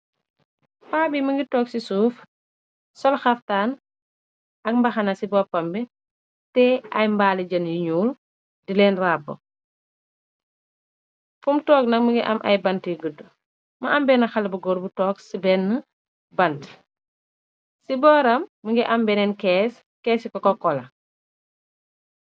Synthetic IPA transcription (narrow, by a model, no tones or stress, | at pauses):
faːbiməŋɡitɔːksisuːf | sɔlxɐftaːn | ɐk̚mbɐxɐnɐsibɔːpɐmbɛ | tɛʔɐjmbaːliɟɐnjiɲuːl | dilɛnrabːɔ̰ | fumtɔːk̚nɐk̚məŋɡɛ̰ʔɐ̰mʔɐ̰jbɐntiɡədːu | mɐʔɐmbɛːnɐxɐlbuɡɔɾbutɔːksibɛnːə | bɐnt | sibɔːɾɐmːəŋɡɛʔɐmbɛnɛnkɛːs | kɛːsikɔkɔkːɔlɐ